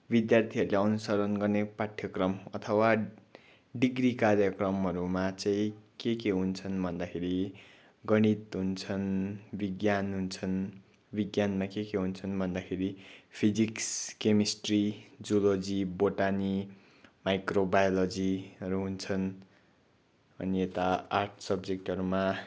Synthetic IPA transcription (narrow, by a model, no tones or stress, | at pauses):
bid̪jart̪ʰiʌɾuleʌnusʌɾʌnɡʌrnepaʈʰːjʌkrʌmʌt̪ʰʌwa | ɖiɡrikarjʌkrʌmɦʌɾumat͡sʌĩkekeɦunt͡sʰʌnbʱʌnd̪akʰeɾi | ɡʌɽ̃it̪ɦunt͡sʰʌnbiɡjanɦunt͡sʰʌn | biɡjanmakekeɦunt͡sʰʌnbʱʌnd̪akʰeɾipʰid͡zikskemisʈrid͡zolod͡ziboʈani | majkrobajolod͡ziʌɾuɦunt͡sʰʌn | ʌniet̪aarʈʰsʌbd͡zek̚ʈɦʌɾuma